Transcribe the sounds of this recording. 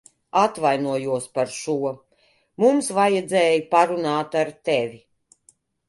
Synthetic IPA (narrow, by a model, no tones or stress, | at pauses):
at̪vajnuɔjuɔspaɾʃuɔ | mumsvajɛd̪zɛːjipaɾunaːt̪aɾt̪ɛvʲi